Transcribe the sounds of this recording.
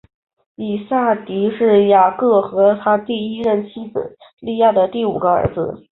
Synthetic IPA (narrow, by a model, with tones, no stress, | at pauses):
i˨˩sa˥˩t̪i˧˥ʂɻ̩˥˩ja˨˩kɤ˥˩xɤ˧˥t̪ʰa˥t̪i˥˩i˥ɻə˥˩nt͡ɕʰi˥t͡sɹ̩̰˨˩˦ | li˥˧ja˥˩d̪ə˩t̪i˥˩u˨˩ɡə˦ə̰˧˥d͡zɹ̩̰˧